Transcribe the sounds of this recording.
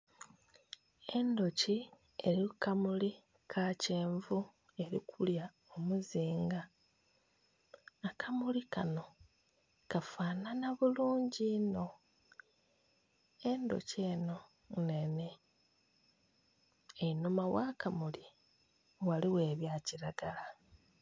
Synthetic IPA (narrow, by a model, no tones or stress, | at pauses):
e̞ndo̞ci | eɾikamuli | kʰaceːɱvu | e̞ɾḭkʰulja | omuziːŋɡa | kʰamulikano̞ | kafaːnanaβuluːɲɟino̞ | e̞ndo̞̰ceːno̞ | ne̞ne̞ | einomawaːkamuli | waliwe̞ːβjaːciɾaɡala